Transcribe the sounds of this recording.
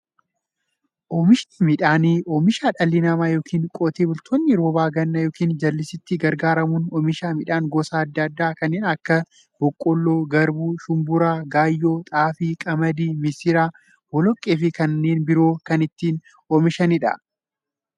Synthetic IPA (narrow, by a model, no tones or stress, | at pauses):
ʔoːmɪʃnɪmɪᶑaːniːʔoːmɪʃaːᶑɐlːɪnɐmaːjo̞ːkʰiːŋkʼot̪eːbʊlt̪ʰoːnːɪɾoːbaːɡɐnːɐjo̞ːkiːnd͡ʒɐlːɪsɪt̪ːɪɡɐɾɡaːɾɐmʊnɔmɪʃaːmɪᶑaːŋɡoːsaːɐd̪ːɐɐd̪ːaːkɐnːeːnɐkːɐ | b̥ɔkʼːɔlːoːɡɐɾbuːʃʊmbʊɾaːɡaːjːoːt̪ʼaːfiːkʼɐmɐd̪iːmɪsɪɾaː | wɔlɔkʼːeːfɪkɐnːeːnbɪɾo̞ːkɐnɪt̪ːiːn | oːmɪʃɐnɪᶑɐ̰